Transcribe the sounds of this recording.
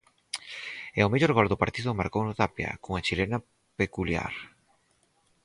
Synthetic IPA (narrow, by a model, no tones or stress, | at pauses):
ɛomeʎoɾɣɔld̪opaɾt̪iðʊmaɾkownot̪apja̰koŋat͡ʃilena | pekulja̰ɾ